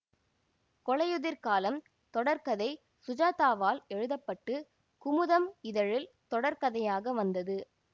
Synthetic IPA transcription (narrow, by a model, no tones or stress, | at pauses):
kɔɭɐjɯðɪɾkaːlɐm | t̪ɔɽɐɾkɐðɐɪ | sʊd͡ʒaːt̪aːʋaːlɛɻɯðɐpːɐʈːɯ | kʊmʊðɐmɪðɐɻɪlt̪ɔɽɐɾkɐðɐjaːɣɐʋɐnd̪ɐðɯ